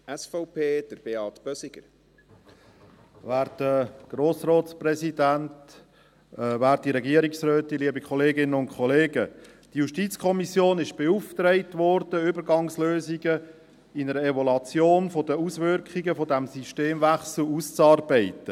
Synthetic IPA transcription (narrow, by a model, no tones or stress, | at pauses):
ɛsfɔʊpʰeːd̥əɾb̥eɑtb̥œsɪɡəɾ | væːɾtəɡ̥roːsrɔːtsprɛsidænt | væːɾtiɾɛɡiəɾiksɾøːt̪iliəbikʰχɔleːɡɪnəʊntkʰχɔleːɡə | d̥ijuʃtit͡skʰɔmisjoːnɪʃb̥euft̪ɾɛɪtʋɔɾd̥əʏbəɾɡɑŋsløːziɡə | ɪnəɾəɛvɔlɑt͡sjoːnfodəusvʏɾkχiɡəfodæmsiʃteːmvæχsl̩ust͡sɑːrbɛɪtə